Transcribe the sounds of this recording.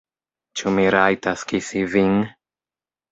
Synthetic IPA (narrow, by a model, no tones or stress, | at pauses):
t͡ʃumiɾajtaskisiviŋ